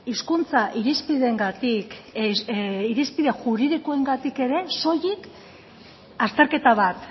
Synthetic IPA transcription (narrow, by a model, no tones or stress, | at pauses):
iskunt͡saʔiɾispiðe̞ŋɡat̪ik | iɾispiðe̞xuɾiðikoe̞ŋɡat̪ike̞ɾe̞so̞jik | ast̪e̞ɾke̞t̪aβat̪